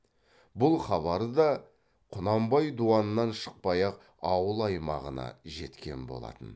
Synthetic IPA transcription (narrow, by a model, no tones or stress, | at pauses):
bʊlˠχɑβɑɾəd̪ɑ | qʰʊnɑmbɑjd̪uɑnənːɑnʃə̥q̚pɑjɑq | ɑwəlˠɑjmɑ̰ʁənɑ̰ʒe̞t̪kʲe̞̰nbo̞̰lˠɑ̰t̪ən